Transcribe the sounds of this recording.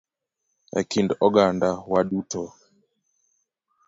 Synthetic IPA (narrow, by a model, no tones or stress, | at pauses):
ɛ̰kindɔɡandawaɗutɔ